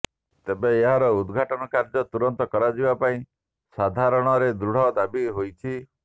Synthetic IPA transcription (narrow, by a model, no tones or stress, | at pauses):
t̪ebeːɦaɾɔud̪ɡʱaʈɔnɔkaɾd͡ʒɔt̪uɾɔnt̪ɔkɔɾad͡ʒibapaĩ | sad̪ʱaɾɔɽ̃ɔɾed̪ɾuɽ̤ɔd̪abiɦojt͡ʃʰi